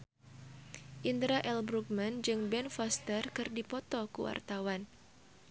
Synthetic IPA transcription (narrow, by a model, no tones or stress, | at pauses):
ʔind̪ɾaʔɛlbɾuk̚mand͡ʒɨŋbɛnfɔst̪ərkɨrdipɔt̪ɔkṵwa̰rt̪awan